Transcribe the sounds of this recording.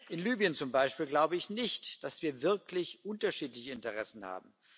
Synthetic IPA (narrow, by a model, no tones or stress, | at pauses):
ʔɪnlyːbijənt͡sʊmbaɪʃpiːlɡlaʊbəɪçnɪçtd̥asv̥iːɐvɪɐklɪçʔʊntɐʃiːtlɪçəɪntəʁɛsn̩ha̰ːbm̩